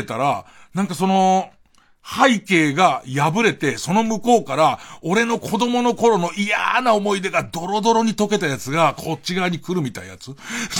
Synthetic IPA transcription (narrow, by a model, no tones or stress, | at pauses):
et̪aɾanãŋkaso̞no̞ | haike̞ːɡajabɯ̟ɾe̞t̪e̞so̞no̞mɯ̟ko̞ːkaɾao̞ɾe̞no̞kʰo̞d̪o̞mo̞no̞ko̞ɾo̞no̞ija̰nao̞mo̞id̪e̞ɡad̪o̞ɾo̞d̪o̞ɾo̞ɲ̟it̪o̞ke̞t̪ajat͡sɨɡakʰo̞t͡ɕɕiɡaɲ̟ikɯ̟ɾɯ̟mʲit̪aija̰t͡sɨ